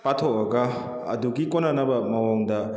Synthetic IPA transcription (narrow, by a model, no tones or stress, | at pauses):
patʰoɐɡɐ | ɐ̰duɡikonanɐbɐmɐwaŋdɐ